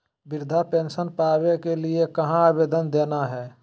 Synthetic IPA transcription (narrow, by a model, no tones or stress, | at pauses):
bɪɾd̪ʱapẽːnsənpaːʋekeliekɐɦãaːbeːd̪ənd̪eːnaɦɛː